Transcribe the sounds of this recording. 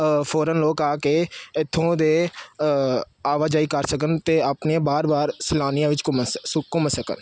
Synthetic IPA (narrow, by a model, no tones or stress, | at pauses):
pʰoːɾənloːkaːkeːɪt̪ʰːõːd̪eː | aːʋaːd͡ʒaːiːkəɾsək̬ənt̪eːaːpneːbaːɾbaːɾsɪlaːnijãːʋɪt͡ʃmkʊmsəkə̰n